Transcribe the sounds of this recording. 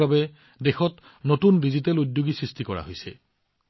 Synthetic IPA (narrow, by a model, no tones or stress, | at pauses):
abɛ | dexɔt | notundizitɛludjoɡisɹistikɔɹa̰ɦojsɛ̰